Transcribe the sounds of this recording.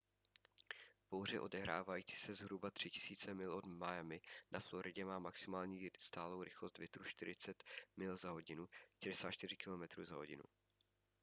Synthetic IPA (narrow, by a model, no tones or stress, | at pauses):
vbowr̝ɛʔo̞dɛɦɾa̰ːvajiːt͡si̥sɛzɦɾubat̪r̝̥ɪcɪ̥siːt͡sɛmɪlʔo̞dmajɛmɪnʔaflo̞ɾɪɟɛmaːmaksɪmaːlɲiːst̪aːlo̞wɾɪxlo̞st̪vjɪt̪ɾuʃt̪ɪɾɪt͡sɛt̪mɪlzaɦo̞ɟɪnuʃt̪ɛdɛsaːt͡ʃt̪ɪr̝ɪkɪlo̞mɛt̪ɾṵːzaɦoɟɪ̰nṵ